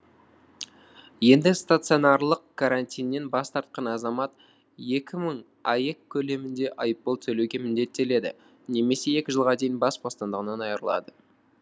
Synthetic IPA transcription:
je̞nd̪ɪst̪at̪sɨo̞nɑɾlˠəqkʰaɾant̪ʲijnːe̞nbɑst̪ɑɾt̪̚qɑnɑzɑmɑt̪ | je̞kʲɪməɴ | ɑjekʲʰːɵle̞mɪnd̪e̞ʔɑjəpːolˠt̪ʰɵlewɡʲe̞mʏnd̪e̞t̪ːe̞le̞d̪ɪ̰ | ne̞me̞se̞e̞kʲɪʒəlˠʁɑd̪e̞jɪnbɑsbost̪ɑnd̪əʁənɑnɑjəɾəlˠɑ̰d̪ə

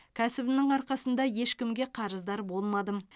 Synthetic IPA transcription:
kʲʰæsɪbɪnɪŋɑɾqɑsənd̪ɑje̞ʃkʲɪmɡʲe̞qʰɑɾəzd̪ɑɾbo̞lˠmɑd̪əm

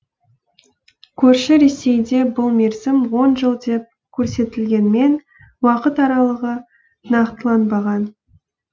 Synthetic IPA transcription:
kʲʰɵɾʃɪɾe̞se̞jd̪e̞bʊlˠme̞ɾzɪmwo̞nʒəlˠd̪e̞p̚ | kʲʰɵɾse̞t̪ɪlɡʲe̞nme̞n | wɑqət̪ɑɾɑlˠəʁə | nɑqt̪əlˠɑnbɑʁɑn

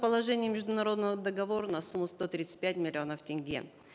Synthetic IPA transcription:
pəlˠɐʐɛnʲɪjəmʲɪʐd̪ʊnɐɾo̞d̪nəvəd̪əɡɐvo̞ɾənɐsumːʊst̪o̞t̪ɾʲit̪sɨ̥t̚ʲpʲætʲmʲɪlʲɪo̞nəftʲɪnʲɡʲḛ

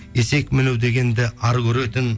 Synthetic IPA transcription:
ese̞kmɪnewd̪e̞ɡʲe̞nd̪ɪʔɑɾɡʲɵɾet̪ɪn

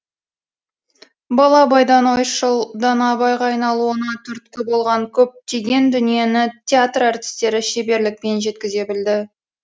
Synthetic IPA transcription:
bɑlˠɑbɑjd̪ɑnojʃəlˠd̪ɑnɑbɑjʁɑːjnɑlˠuwonɑt̪ʰɵɾt̪kʲɪbo̞lˠʁɑŋkʲʰɵp̚t̪eɡʲe̞nd̪ʏnije̞nɪt̪ʲʰeat̪rart̪ʲi̥st̪e̞ɾɪʃe̞be̞ɾlɪk̚pe̞nʒe̞t̪kʲɪze̞bɪld̪ɪ

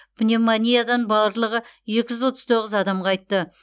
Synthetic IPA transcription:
b̥nʲemanʲijad̪ɑnbɑɾlˠəʁəʒe̞kʲɪʒʏzwo̞t̪əzt̪ʰo̞ʁəzɑd̪ɑmʁɑɑjt̪ːə

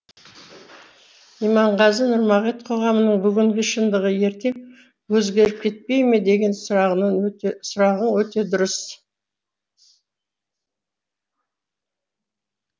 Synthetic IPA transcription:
ijmɑɴʁɑzənʊɾmɑʁet̪qʰo̞ʁɑmənəɴbʏɡʲɪŋɡʲɪʃənd̪əʁəje̞ɾt̪e̞m | wɵzɡʲe̞ɾɪp̚kʲʰe̞t̪̚pe̞jme̞d̪e̞ɡʲe̞nsɑʁənəsʊɾɑʁənwɵt̪e̞d̪ʊɾəs

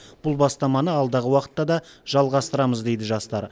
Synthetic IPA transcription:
b̥ʊlˠbɑst̪ɑmɑnəɑlˠd̪ɑʁəwɑqə̥t̪ːɑd̪ɑʒ̥ɑlˠʁɑst̪əɾɑməzd̪e̞jd̪ɪʒɑst̪ɑɾ

